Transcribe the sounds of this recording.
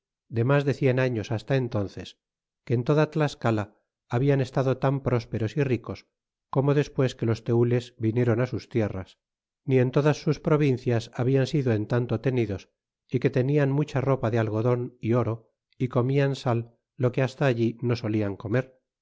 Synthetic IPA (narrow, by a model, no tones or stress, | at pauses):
d̪e̞mazðe̞θje̞naɲo̞sast̪ae̞nt̪o̞nθe̞s | ke̞ːnt̪o̞ðat̪laeskalaː | βiane̞st̪aðo̞t̪ampɾo̞spe̞ɾo̞siriko̞s | ko̞mo̞ðe̞spwe̞ske̞lo̞st̪e̞ule̞zβinje̞ɾo̞nasust̪je̞ra̰s | nie̞nt̪o̞ðasːuspɾo̞β̞inθjasaβiansiðoe̞nt̪ant̪o̞t̪e̞niðo̞s | ike̞t̪e̞nianmut͡ʃaro̞paðe̞alɣ̞o̞ðo̞nio̞ɾo̞ | iko̞miansalː | o̞ke̞ast̪aːʎino̞so̞liaŋko̞me̞ɾ